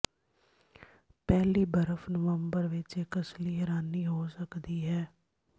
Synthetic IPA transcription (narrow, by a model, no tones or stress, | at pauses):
pɛːliːbəɾəfʰnəʋəmbəɾʋɪt͡ʃekəsliːɦɛːɾaːnːiːɦoːsəkd̪iːɦɛː